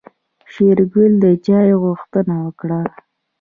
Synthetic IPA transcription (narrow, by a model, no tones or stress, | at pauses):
ʃeɾɡʊld̪əd͡ʒɑjɣuxt̪ənawəkɽa